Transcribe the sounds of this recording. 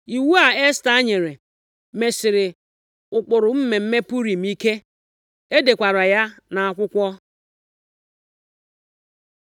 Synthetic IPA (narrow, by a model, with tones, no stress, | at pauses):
i˨wu˦a˨e˦sta˦ɲe˨ɾe˨ | me˨sɪ˨ɾɪ˨ | ʊ˨k͡pʊ˨ɾʊ˨m̩˦me˨m̩˦me˦pu˦ɾi˨m̩i˦ke˦ | e˦de˨kʷa˨ɾa˨ja˦na˨a˨kʷʊ˦kʷɔ˦